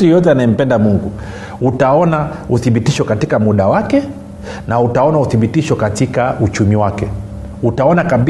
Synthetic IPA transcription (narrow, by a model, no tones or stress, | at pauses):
ijɔjɔtɛanaɛm̩pɛndamuŋɡu | utaɔnauθiɓitiʃɔkatikamuɗawakɛ | nautaɔnauθiɓitiʃɔkatikaut͡ʃumiwakɛ | utaɔnakaɓi